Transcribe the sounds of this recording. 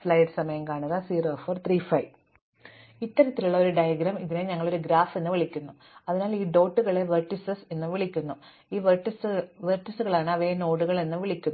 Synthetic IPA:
fɭɐjʈsɐmɐjɐmkaːɳɐðɐsiːroːfɐrt̪rifɐj | it̪ːɐɾɐt̪ːiluɭːɐo̞ɾuɖɐjɐɡɾɐmiðineɲɐŋːɐɭo̞ɾuɡɾaːfenːɨʋiɭikʲːunːu | ɐðinaːliːɖo̞ːʈːuɣɐɭe̞ʋerʈːisɐsenːɨʋiɭikʲːunːu | iːʋeʈisʋerʈːisuɣɐɭaːɳɨɐʋeno̞ːɽuɣɐɭe̞nːɨʋiɭikʲːunːu

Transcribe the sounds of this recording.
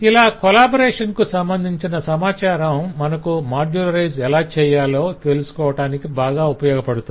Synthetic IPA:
ilaːkolaːboɾɛːʂɐnkusɐmbɐnd̪ʱiɲt͡ʃinɐsɐmaːt͡ʃaːɾɐmːɐnɐkumaːɾd͡ʒuːlɐɾɐjzɛlaːt͡ʃɛːjaːlo̞ːt̪e̞lusu̥kɔːʋɐʈaːnikibaːɡaːupɐjɔːɡɐpɐɽut̪u

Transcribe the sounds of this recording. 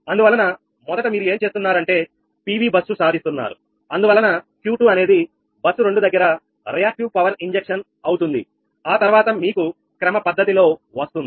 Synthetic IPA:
ɐnd̪uʋɐlːɐnɐ | mɔd̪ɐʈɐmiːɾue̞ːmt͡ʃe̞ːst̪unːaːɾɐɳʈe̞ː | piːʋiːbɐsːusaːd̪ist̪unːa̰ːɾu | ɐnd̪uʋɐlːɐnɐkjuːʈuːɐne̞ːd̪i | bɐsːuɾe̞ɳɖud̪ɐɡːɐɾɐ | ɾijaːk̚ʈiwpɐʋɐɾiɲd͡ʒekʂɐn | ɐwt̪und̪ḭ | aːt̪ɐɾʋaːt̪ɐmiːku | kɾɐmɐpɐd̪ːɐt̪ilo̞ːʋɐst̪und̪i

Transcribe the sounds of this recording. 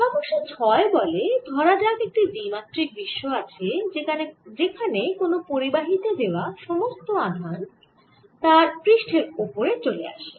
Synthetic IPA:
kɔboʃet͡ɕʰɔebɔled̪ʱɔɾad͡ʑakek̚ʈibimat̪ːɾik̚biʃːoat͡ɕʰe | d͡ʑekʰanekonopoɾibaɦit̪ed̪eoaʃɔmost̪oad̪ʱan | t̪aɾpɾiʃʈʰeɾopoɾet͡ɕolea̰ʃe

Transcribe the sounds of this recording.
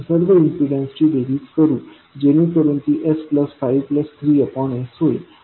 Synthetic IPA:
səɽʋəinsiɖə̃nsʈiɖeɾitkəɾũ | d͡ʒenũkəɾənt̪iʔespləsfaiʋpləst̪ʰɾiəpɔɳesɦoi

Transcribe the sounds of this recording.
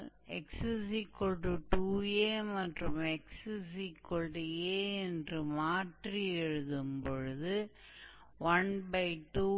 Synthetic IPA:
ɛksɨsikɔɭɖɯʈuːjeːmɐʈrɯmɛksɯsikɔɭɖɯjeːɛndrɯmaːʈriɛɻɯðɯmpɔɻɯðɯ | ʋɐnbɐɪʈːuː

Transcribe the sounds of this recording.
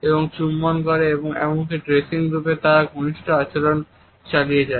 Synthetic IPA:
eboŋt͡ɕumːankoɾeeboŋɛ̰monkiɖɾesiŋɾupet̪aɾaɡʱoniʃʈʰoat͡ɕelon | t͡ɕalijed͡ʑae

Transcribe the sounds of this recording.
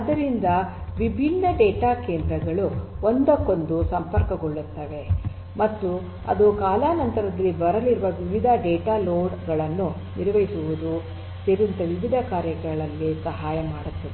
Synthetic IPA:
ɐd̪ɐɾind̪ɐʋibʱinːɐɖɛːʈaːkeːnd̪ɾɐɡɐɭuond̪ɐkːo̞nd̪usɐmpɐɾkɐɡoɭːut̪ːɐʋe̞ | mɐt̪ːu | ɐ̰d̪ukaːlaːnɐnt̪ɐɾɐd̪ɐlːibɐɾɐliɾuʋɐʋiʋid̪ʱɐɖeːʈaːloːɖɡɐɭɐnːu | niɾʋɐjisuʋud̪u | seɾint̪ɐʋiʋid̪ʱɐkaːɾjɐɡɐɭɐlːisɐɦaːjɐmaːɽut̪ːɐʋe

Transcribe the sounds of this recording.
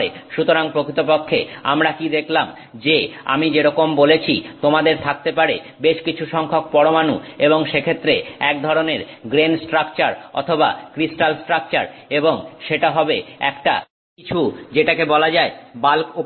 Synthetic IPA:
eʃut̪oɾaŋpɾokit̪op̬okʰːḛa̰mɾakid̪ekʰlam | d͡ʑea̰mid͡ʑeɾɔkombolet͡ɕʰit̪omad̪eɾt̪ʰak̚t̪epaɾe | beʃkit͡ɕʰuʃɔŋkʰok̚pɔɽomanṵeboŋʃekʰet̪ːɾeɛk̚d̪ʱɔɾoneɾɡɾensʈɾakt͡ɕaɾɔ̰t̪ʰoba̰kɾisʈalsʈɾak̚t͡ɕa̰ɾeboŋʃeʈaɦɔbeɛ̰kʈa | kit͡ɕʰud͡ʑeʈakebɔlad͡ʑaebalko

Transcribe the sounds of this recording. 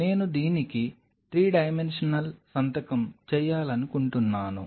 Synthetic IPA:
ne̞ːnud̪iːniki | t̪ɾiːɖɐjmenʂɐnɐlsɐnt̪ɐkɐmt͡ʃɛːjːaːlɐnukuɳʈunːaːnṵ

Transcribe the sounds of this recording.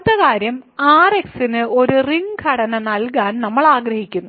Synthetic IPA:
t̪ːɐkaːɾjɐmaːreksinɨo̞ɾuriŋkʰɐɽɐnɐnɐlkaːnnɐmːɐɭaːɡrɐhikʲːunːu

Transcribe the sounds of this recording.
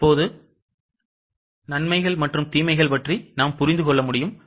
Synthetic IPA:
pːoːðɯ | nɐɳmɐɪɣɐɭmɐʈrɯmt̪iːmɐɪɣɐɭpɐʈrinaːmpʊɾɪnd̪ɯkɔɭːɐmʊɽɪjɯm

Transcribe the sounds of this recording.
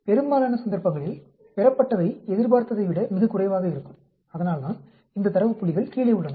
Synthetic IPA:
pɛɾɯmbaːlaːnɐsɐnd̪ɐɾpɐŋɡɐɭɪl | pɛɾɐpːɐʈːɐʋɐɪɛðɪɾbaːɾt̪ːɐðɐɪʋɪɽɐmɪɣɐkʊrɐɪʋaːɣɐɪɾɯkːɯm | ɐðɐnaːlt̪aːn | ɪnd̪ɐt̪ɐɾɐʋɯpːʊɭːɪɣɐɭkiːɭɐʊɭːɐnɐ

